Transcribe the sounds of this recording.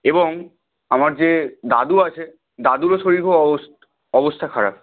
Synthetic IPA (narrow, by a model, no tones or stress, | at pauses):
eboŋ | amaɾd͡ʑed̪a̰d̪uat͡ɕʰe | d̪ad̪uɾoʃoɾikʰos | ɔbost̪ʰakʰaɾa̰p